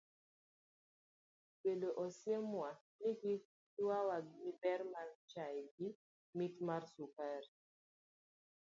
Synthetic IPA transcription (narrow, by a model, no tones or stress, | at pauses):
beloʔɔsjemwa | niki | twawaɡibɛɾmart͡ʃajɡi | mitmarsukaɾ